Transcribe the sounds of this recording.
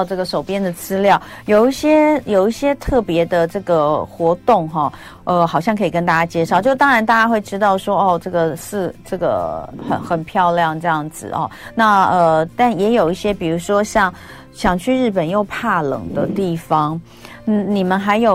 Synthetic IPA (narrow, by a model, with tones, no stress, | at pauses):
ʊʈ͡ʂɤ˥˩ɡə˩ʂo˨˩ʊpjɛ˥nd̪ə˨t͡sɹ̩˥ljɑ˥˩ʊjo˨˩ʊi˥˩ɕjɛ˥jo˨˩ʊi˥˩ɕjɛ˥t̪ʰɤ˥˩pjɛ˧˥d̪ə˨ʈ͡ʂɤ˥˩ɡə˩xwɔ˧˥t̪ʊ˥˧ŋxɔ˥˩ | ə˧xɑ˨˩ʊɕjɑ˥ŋkʰɤ˧˥i˨˩k̬ə˥nt̪a˥˧˩t͡ɕja˥t͡ɕjɛ˥˧ʂɑ˥˩ʊt͡ɕo˥˧ʊt̪ɑ˥ŋɻa˧˥nt̪a˥˩t͡ɕja˥xwe˥˩ɪʈ͡ʂɻ̩˥t̪ɑ˥˩ʊʂwɔ˥ɔ˥˩ʈ͡ʂɤ˥˩ɡə˩ʂɻ̩˥˩ʈ͡ʂɤ˥˩ɡə̰˩xə̰˨˩nxə˨˩npʰjɑ˥˧ʊljɑ˥˨˧ŋʈ͡ʂɤ˥˧jɑ˥˩ŋd͡zɹ̩̰˨˩ɐ̰˩na˥˨ə˧˩t̪a˥˩njɛ˧˥jo˨˩ʊi˥˩ɕjɛ˥pi˨˩ɻu˧˥ʂwɔ˥ɕjɑ˥˩ŋ | ɕjɑ˨˩ŋt͡ɕʰy˥˧ɻɻ̩˥˩pə˨˩njo˥˧ʊpʰa˥˩lɤ̰˨˩ŋd̪ə˦t̪i˥˩fɑ˦ŋ | n̩˥˩ni˨˩mə˦nxa˧˥ɪjo˨˩